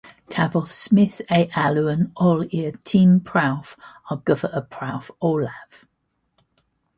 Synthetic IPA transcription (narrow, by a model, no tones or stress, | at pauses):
kʰavɔθsmɪθeɪʔaluə̃nɔlɪətʰĩːmpʰɹ̥aʊfɑɡ̥ʊvəʔəpʰɹ̥aʊfɔːlav̥